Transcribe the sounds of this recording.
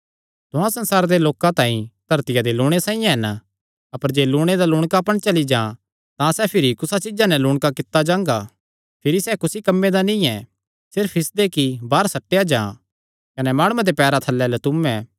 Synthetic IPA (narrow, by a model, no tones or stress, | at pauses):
t̪ʊ̃ɦãsɐ̃nsaːɾd̪eloːkãt̪ãːĩt̪ɐɾt̪ɪjad̪elʊːɽ̃esãːĩjãɦɐn | ɐpəɾd͡ʒeːlʊːɽ̃ed̪alʊːɽ̃kapɐɽ̃t͡ʃɐlid͡ʒãː | t̪ãsɛpʰɪɾikʊsat͡ʃɪd͡ʒanɛlʊːɽkakɪt̪ːad͡ʒãːŋɡa | pʰɪɾisɛkʊsikɐmːed̪anĩɛ | sɪɾpʰɪsd̪ekibaːɾsɐʈːejad͡ʒãː | kɐnɛmaːɽ̃ʊãd̪epɛːɾat̪ʰɐlːɛlɛt̪ʊmɛ̃